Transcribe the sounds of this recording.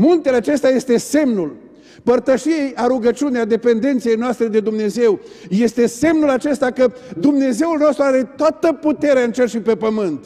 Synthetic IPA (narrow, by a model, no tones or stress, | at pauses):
munt̪eleat͡ʃe̞st̪eaje̞st̪e̞se̞mnul | pərt̪əʃijejaɾuɡət͡ʃiunead̪e̞pe̞nd̪e̞nt̪sije̞jnoast̪ɾe̞d̪ed̪umne̞ze̞wje̞st̪e̞se̞mnulat͡ʃe̞st̪akəd̪umne̞ze̞ulno̞st̪ɾuaɾe̞t̪oat̪əput̪e̞ɾeaɨnt͡ʃerʃipe̞pəmɨnt̪